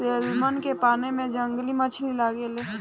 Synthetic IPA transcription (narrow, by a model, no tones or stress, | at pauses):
elmənkepaːnemẽd͡ʒə̃ŋɡlimət͡ʃʰnilaːɡeleː